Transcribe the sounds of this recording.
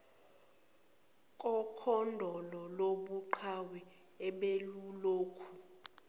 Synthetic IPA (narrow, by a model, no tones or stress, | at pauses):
kʼɔkʰɔndʱɔlɔloɓuǃʰawɛ | ɛɓeluloːkʰu